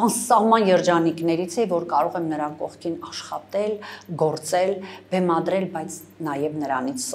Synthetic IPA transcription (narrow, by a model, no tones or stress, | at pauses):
ɑnsɑhmɑnjɛɾd͡ʒɑniknɛɾit͡sʰɛvɔɾkɑɾɔʁɛmnəɾɑkɔʁkʰinɑʃχɑt̪ɛlɡɔɾt͡sɛlbɛmɑd̪ɾɛlbɑjt͡sʰ | nɑjɛvnəɾɑ̰nit͡sʰ